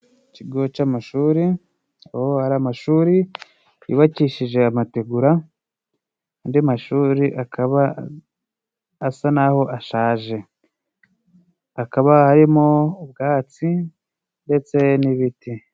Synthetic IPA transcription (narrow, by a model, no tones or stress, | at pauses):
ciɡot͡ʃamaʃuːɾi | awohaɾamaʃuːɾi | ḭβaciʃiʒe̞amateɡuɾa | ndimaʃuːɾiʔakʰaβa | sanaho̞ʔaʃaːʒe̞ | akaβahaɾimo̞ub̚ɡaːt͡si | nde̞t͡se̞niβiti